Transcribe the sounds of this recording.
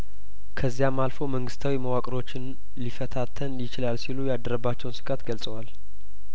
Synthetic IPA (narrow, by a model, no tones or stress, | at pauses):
kʰəzːijamːalfo̞məŋɡɨst̪ʰawiməwakʼɾo̞t͡ʃːɪn | lifət̪ʰat̪ʰːənjɪt͡ʃɪlalsilujad̪əɾəbːat͡ʃːɛwnsɨ̥kʼat̪ɡəlsʼəwal